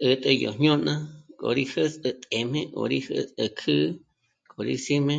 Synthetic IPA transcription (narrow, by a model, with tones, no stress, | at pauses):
ʔə˨t̪ʼə˧jo˨ɲɲõ˦nã˦kʼo̰˨ɾi˦hə˦sʼə˧t̪ʼe˨m̥ẽ˦ʔo̰˨˧ɾi˦hə˦sə˧kʰɨ˦ | kʼo˨ɾḭ˦si˦mẽ˦